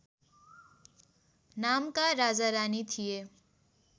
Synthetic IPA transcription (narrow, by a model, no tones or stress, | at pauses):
namkaɾad͡zaɾanit̪ʰije